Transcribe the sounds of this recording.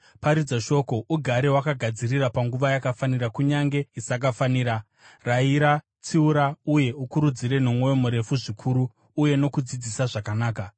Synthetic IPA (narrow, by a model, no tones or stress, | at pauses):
paɾid͡zaʃo̞ko̞ʔuɡʱaɾewakaɡʱad͡zirirapaŋɡuʋajakafaniɾakuɲaŋɡe̞isakafaniːɾa | raiɾa | t͡siuɾauje̞ukuɾud͡ziɾe̞no̞mwo̞jo̞muɾe̞fuʐikʰuɾuː | je̞no̞kud͡zid͡zisaʐakanaːka